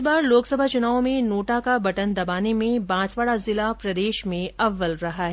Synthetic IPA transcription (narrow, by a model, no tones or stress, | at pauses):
baːɾloːksɐbʱat͡ʃʊnaːõmẽnoːʈakabɐʈənd̪ɐbaːnemẽbãːt͡ʃʋaːɽazɪlapɾɐd̪eːʃmẽɐʋːəlɾɐɦaɦɛ